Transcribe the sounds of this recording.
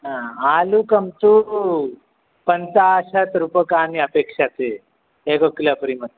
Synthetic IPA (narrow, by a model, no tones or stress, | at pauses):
ɦãalukəmt̪u | pənt̪aɕat̪ɾupəkaniəpekʂat̪e | ekəklapɾimət̪